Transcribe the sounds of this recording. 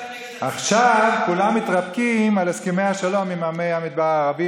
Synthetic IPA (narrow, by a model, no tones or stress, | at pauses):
ʔaχʃavkulamːit̪ʁabkimaleskimejhaʃalo̞mimamejhamid̪̚baʁaːʁavi